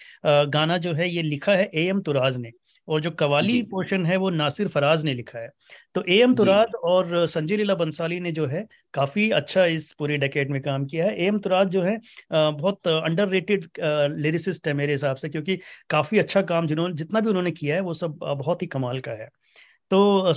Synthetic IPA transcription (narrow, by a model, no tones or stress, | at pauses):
ɡaːnad͡ʒoːɦɛjelɪkʰaɦɛʔeːɛmt̪ʊɾaːzne | ɔːɾd͡ʒoːkɐʋaːlipoːɾʃənɦɛʋonaːsɪɾfɐɾaːznelɪkʰaɦɛːt̪oːʔeːɛmt̪ʊɾaːd͡ʒɔːɾsɐ̃ɲd͡ʒeːleːlabɐnsaːlined͡ʒoːɦɛ | kaːfiɐ̰tːʃʰaɪspuːɾiɖeːkeːɖmẽkaːmkijaɦɛʔeːɛmt̪ʊɾaːd͡ʒd͡ʒoːɦɛbɔɦt̪ɐ̃ɳɖəɾːeːʈɪɖleːɾɪsɪsʈɦɛmeːɾeɦɪsaːbsekjõːk̬ikaːfiɐtːʃʰakaːmd͡ʒɪnõd͡ʒɪt̪nabʱiʊnɦõːnekijaɦɛʋosɐb̚bɐɦɔt̪ɦikɐmaːlkaɦɛː | t̪oː